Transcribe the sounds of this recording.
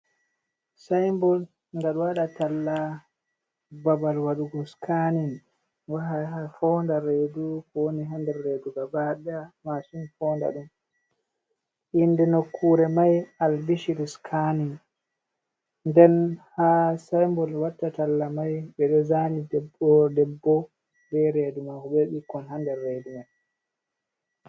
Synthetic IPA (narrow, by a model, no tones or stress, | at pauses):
sajmbɔl | ŋɡaɗwaɗatalːa | babalwaɗuɡɔskʰanin | waɦahafɔndaɾedukɔwoniɦandɛːeduɡabaɗamasunfɔːnda̰ɗum | ʔindɛnokʰːuːɾɛmajalbiʃiɾuskʰanin | ndɛnhasajmbɔlwatːatalːamajɓɛɗɔzanidɛbɔdɛbːɔ | nbɛɾedumakɔɓɛɓikːɔnɦandɛːedumaj